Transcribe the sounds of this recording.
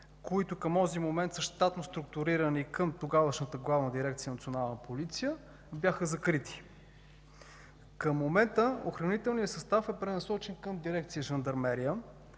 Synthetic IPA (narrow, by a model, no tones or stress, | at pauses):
koit̪ʊkəmɔzimomɛnt̪səʃt̪at̪nost̪ɾʊk̚t̪ʊɾiɾənikəmt̪oɡavəʃnət̪əɡlˠavnəd̪iɾɛk̚t̪sijənɐt̪sionalˠnəpolit̪sijə | bjaxəzɐkɾit̪i̥ | kəmːomɛnt̪əoxɾɐnit̪ɛlˠnijəsɐst̪afɛpɾɛnɐsɔt͡ʃɛnkəmd̪iɾɛkt̪sijəʒənd̪ɐɾmɛɾiə